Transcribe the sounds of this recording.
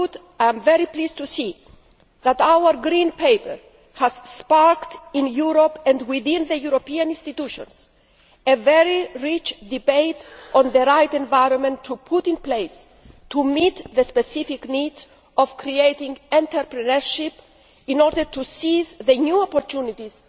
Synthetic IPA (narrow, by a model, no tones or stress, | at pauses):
t̪ | aj̃mvɛɾiplizt̪usi | ðæt̪awəɾɡɾĩnpejpəɹ | hæz̥spaɹktĩnjuɾopɛ̃ndwiθĩnðəjuɾopiãnĩnst̪it̪uʃɔ̰̃ns | evɛɹiɹit͡ʃd̪ibeɪt̪ɔ̃nðəɾajt̪ɛ̃ɱvajɾɔ̃nmɛ̃nt̪ʰːupʰut̪ĩnplejs | t̪ʰumit̪ðəspɛsifiknidz | ɔv̥kʰɾiejtĩŋɛ̃nt̪əɾpɾɛnəɹʃip | ĩnɔɾdəɾt̪usizðənuɔpɔɾt̪ʰunit̪iz̥